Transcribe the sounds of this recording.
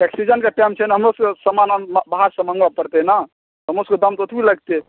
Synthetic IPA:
eksid͡ʒənkeʈajmt͡ʃʰɛnaɦəmɾoskesəmananbɦaɾsə̃mə̃ŋɡʋapəɾt̪ɛna | ɦəmɾosəked̪əmt̪ot̪ʰbʱiləɡt̪ɛ

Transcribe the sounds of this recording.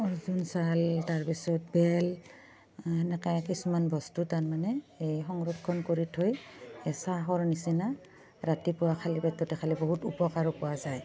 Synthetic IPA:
ɔzunsaltaɹpisɔt̚bɛl | ɛnɛkajkisumanbɔstutaɹmanɛejxɔŋɹɔkʰːɔnkoɹitʰojɛsaɦɔɹnisina | ɹatipʊwakʰalibɛtɔtɛkʰaliboɦutupɔkaɹɔpʊwazaj

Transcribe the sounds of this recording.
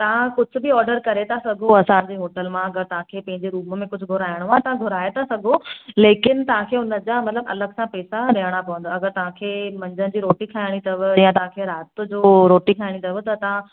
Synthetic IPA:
t̪ɐʋ̤ãkʊd͡ʑʱʊ̆bɪɔːɾɖəɾkɐɾet̪ʰasɐɡʱoɐsãɲd͡ʑeːɦoːʈəlmãɐɡəɾt̪ɐʋ̤ãkʰeːpɐ̃ɦɪ̃ɲd͡ʑeɾuːmmẽkʊd͡ʑʱʊɡʱʊɾaːjəɽ̃ʋãt̪ɐãɡʱʊɾaːet̪ʰasɐɡʱoleːkɪn̆t̪ɐʋ̤ãkʰeːʊnə̆d͡ʑamɐt̪ləbɐ̰ləɡsãpɛːsaɾɐɦəɽ̃apɐʋə̃n̆d̪oɐɡəɾt̪ɐʋ̤ãkʰeːmɐ̃ɲd͡ʑənɪ̆d͡ʑiːɾoːʈikʰaːɪɽ̃it̪ɐʋəjãt̪ɐʋ̤ãkʰeɾaːt̪̆d͡ʑoːɾoːʈikʰaːɪɽ̃it̪ɐʋət̪ɐt̪ɐʋ̤ã

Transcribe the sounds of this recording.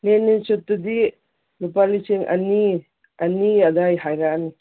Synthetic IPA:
lenːit͡ʃot̪ːud̪i | lupaliseŋɐ̰ni | ɐniɐd̪ajɦajɾani

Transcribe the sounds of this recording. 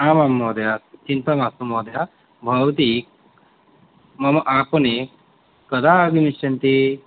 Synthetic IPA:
aːmamːɔːd̪jat͡ʃint̪ɐmasumɔːd̪ja | bʱɐʋɐt̪i | mɐmʔaːpɐne | kɐd̪aɡimisɐnt̪i

